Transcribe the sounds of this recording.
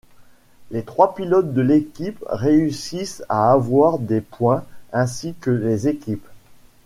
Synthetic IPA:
let̪χwapilɔt̪̚d̪əlekʲipʁeysisa̰ːvwaʁd̪epwɛ̃ɛ̃sikəlezekʲip

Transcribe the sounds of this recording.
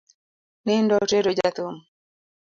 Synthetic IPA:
nɪndɔteɾod͡ʒat̪ʊm

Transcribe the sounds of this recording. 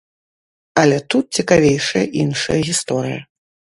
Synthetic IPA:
ɐlʲɛt̪ut̪̚t͡sʲikavʲejʂɐjɐʔinʂɐ̰jɐɣʲist̪ɔɾɨjɐ̰

